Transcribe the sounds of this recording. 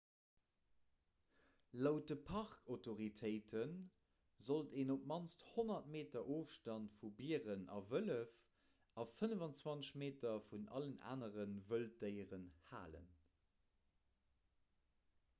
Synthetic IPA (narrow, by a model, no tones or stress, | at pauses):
loʊt̚dəpʰɑʁkʰotoʁitʰəɪtʰən | zolteːnop̚mɑnt͡ssthonɐtmeːtɐʔoːfʃtɑntfubiːəʁənʔɑ̰vələf | ɑfənəvɑnt͡swɑnmeːtɐfunɑ̰ləna̰ːnəʁənvəldəɪəʁənha̰ːlə̰n